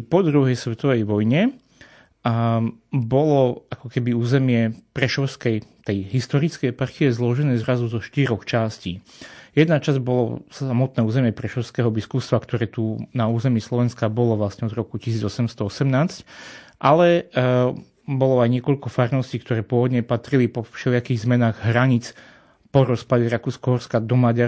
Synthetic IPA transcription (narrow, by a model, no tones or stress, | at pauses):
pɔd̪ɾuɦɛjsʋɛt̪ɔʋɛjʋɔjɲɛ | bɔlɔakɔkɛbiuːzɛmɪɛpɾɛʃɔʊskɛjt̪ɛjɦist̪ɔɾit͡skɛjpaɾxiɛzlɔʒɛnɛːzɾazuzɔʃt̪iɾɔxt͡ʃasciːjɛd̪nat͡ʃazɟbɔlɔ̰samɔt̪̚nɛːuːzɛmɪɛpɾɛʃɔʊskɛːɦɔbiskust̪ʋakt̪ɔɾɛːt̪unauːzɛmiːslɔʋɛnskabɔlɔʋlasɲɛɔd̪ɾɔkuci̥siːd͡zɔsɛmst̪ɔɔsɛmnaːt͡scʔalɛ | bɔlɔajɲɪɛkɔʎkɔfaɾnɔsciːkt̪ɔɾɛːpʊɔʋɔd̪ɲɛpat̪ɾilipɔfʃɛlɪakiːɣzmɛnaːɣɦɾaɲit͡s | pɔɾɔspadɛɾakuːskɔɦɔɾskad̪ɔmaɟa